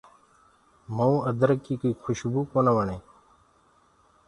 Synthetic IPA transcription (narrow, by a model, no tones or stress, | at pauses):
məũːəd̪əɾəkːiːkuiːkʰʊʃbuːkoːnaʋəɳẽː